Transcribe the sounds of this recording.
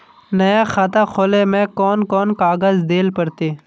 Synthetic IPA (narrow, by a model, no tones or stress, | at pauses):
nɐjaxat̪axʰoːleːmẽːkoːnkoːnkaːɡəzd̪eːlpəɾt̪eː